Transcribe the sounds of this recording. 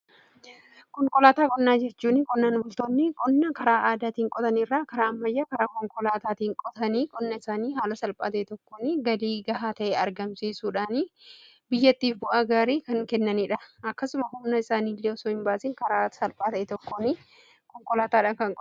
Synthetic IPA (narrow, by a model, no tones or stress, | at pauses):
kɔŋkʼɔlaːt̪aːkʼɔnːaːd͡ʒɛt͡ʃːuːnɪkʼɔnːaːnbʊlt̪oːnːɪkʼɔnːɐkɐɾaːʔaːd̪aːt̪iːŋkʼɔt̪ɐnɪrːaːkɐɾaːɐmːɐjːaːkɐɾaːkɔŋkʼɔlaːt̪aːt̪iːŋkʼɔt̪ɐniːkʼɔnːɐɪsaːniːɦaːlɐsɐlpʼa̰ːt̪ɐʔɛt̪ɔkːoːnɪɡɐliːɡɐɦaːt̪ɐʔɛɐɾɡɐmsiːsuːᶑaːni | bɪjːɐt̪ːiːfbʊʔaːɡaːɾiːkɐŋkɛnːɐniːᶑɐɐkːɐsʊmɐɦʊmnɐɪsaːniːlːeɔsoːɪmbaːsɪŋkɐɾaːsɐlpʼaːt̪ɐʔɛt̪ɔkːonɪ | kɔŋkʼɔlaːt̪aːᶑaːkɐŋkʼɔ